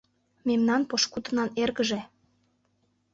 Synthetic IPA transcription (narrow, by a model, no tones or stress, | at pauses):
memnɑnpoʃkut̪ənɑnerɣəʒe